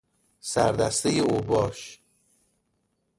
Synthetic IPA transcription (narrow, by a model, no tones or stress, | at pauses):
sæ̰ɾd̪æ̰st̪ejeobɒːʃ